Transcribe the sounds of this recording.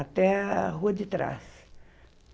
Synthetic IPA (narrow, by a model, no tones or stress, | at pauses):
at̪ɛɦuɐd͡ʒɪt̪ɾa̰s